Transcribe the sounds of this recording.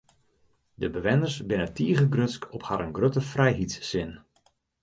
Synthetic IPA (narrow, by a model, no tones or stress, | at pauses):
dəbəʋɛnərsbɪnətiəɣəɡrøskʰɔphaɾənɡrøtəfrɛjɦitssɪn